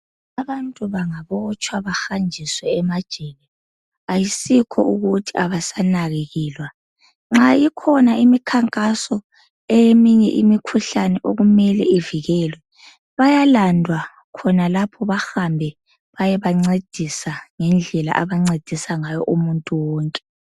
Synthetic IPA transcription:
aβantʼuβaŋaβɔt͡ʃʼwaβaxand͡ʒʱiswɛːmad̥ʒ̥ʱɛlɛ | ajisikʰɔuɣutʰiaβasanaɣeɣiːlwa | ŋ͡ǁajikʰɔnaimikʰaŋkʼasɔ | ɛjemiɲɛ̰ʔimikʰuɬanɛʔoɣumɛlɛiviɣɛlwɛ | βajalandʱwa | kʰɔnalapʰɔβaxambʱɛ | βajɛβaŋ͡ǀed̥ʱisaŋɛnd͡ɮʱɛla̰ʔaβaŋ͡ǀed̥ʱisaŋajɔʔumuntʼuwɔːŋkʼɛ̥

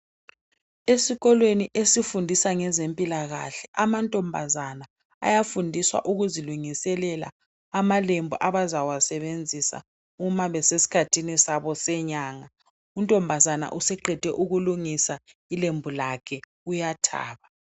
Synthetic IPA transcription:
esiɣɔlweniʔesifundʱisaŋɛzempʼilaɣa̰ɬɛʔamantʼɔmbʱa̰zana̰ː | jafundʱiswa̰ʔuɣuziluŋisɛlɛla̰ː | malembʱuʔaβazawasɛβend͡zʱisa̰ | umaβɛsesi̥kʰatʰinisaβɔsɛɲaːŋa | untʼɔmbʱazana̰ʔusɛǃʱɛd̥ʱɛʔuɣuluŋisa | ilembʱulakʰɛ | ujatʰa̰ːβa

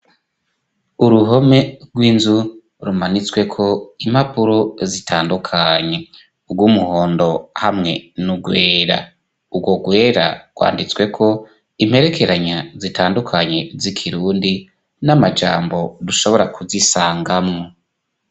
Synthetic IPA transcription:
uɾuɦo̞me̞ɡwiːnzu | ɾumanit͡swe̞kʰo̞im̥hapuɾozitʰaːndukʰaɲe̞ | ubɡwumuho̞ːndo̞hamŋe̞nuɡwe̞ːɾa̰ | uɡwo̞ɡwe̞ːɾa̰ɡ̥wa̰ːndit͡swe̞kʰo̞ | im̥he̞ɾe̞kʰe̞ɾaɲazitaːndukʰaɲe̞zikʰiɾuːndi | namad͡ʒaːmbo̞duʃo̞βo̞ɾakuzisaːŋɡamŋo

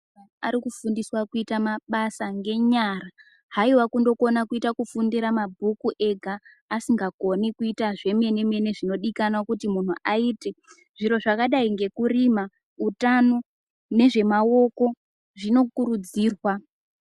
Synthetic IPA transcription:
ana̰ɾikufundiswakuitamaɓasaŋɡe̞ɲara | ɦaiwakundo̞ko̞nakuitakufundiɾamabʱukuʔe̞ɡʱaː | siŋɡako̞nikuitaʐe̞me̞ne̞me̞ne̞ʐino̞ɗikanwakutimun̤uʔaiːte̞ | ʐ̥iɾo̞ʐakaɗaiŋɡe̞kurima | utano̞ | ne̞ʐe̞mao̞ko̞ | ʐino̞kuɾud͡ziːrwa

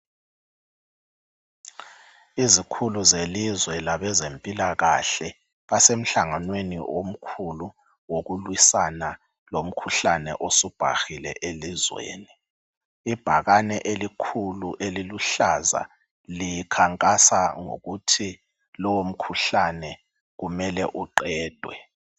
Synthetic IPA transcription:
izikʰuluzelizwɛlaβɛzempʼilaɣaɬɛ | βasem̩ɬaŋanwenḭwom̩kʰulu | woɣulwisana | lom̩kʰuɬanɛ̰ʔosub̥ʱa̰xilɛ̰ʔelizwḛːni | ib̥ʱa̰ɣanɛʔelikʰuluʔeliluɬaza̰ | likʰaŋkʼasaŋo̰ɣutʰi | lɔwom̩kʰuɬanɛ | ɣumɛlɛʔuǃɛːd̥ʱwɛ

